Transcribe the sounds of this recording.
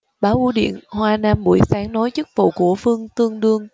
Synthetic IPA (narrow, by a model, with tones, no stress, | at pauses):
ɓaː˨˦wʔu˨˧˦ɗḭ˧˨ənhwaː˧naː˧mɓu˧˩əjsaː˨˦ŋnɔ˨˦jt͡ɕɨ˦˥k̚vṵ˧˨wku˧˩əfɨ˧əŋt̪ɨ˧əŋɗɨ˧əŋ